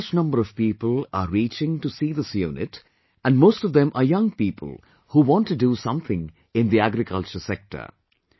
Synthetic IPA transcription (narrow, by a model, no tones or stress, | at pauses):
t͡ʃnʌ̃mbəɾʌv̥piːpəlaɾiːt͡ʃɪ̃ŋʈusiːðəsjṵnɪ̰t | æ̃nɖmoːstɔvd̪ɛ̃mʔəjʌ̃ŋpiːpʰə̰l̩ˠ | huːʋɔ̃nʈːuɖusʌ̃mθʰɪ̃ŋ | ɪ̃nd̪iæɡɾɪkʰʌlt͡ʃəɾsɛk̚ʈə̰ɾ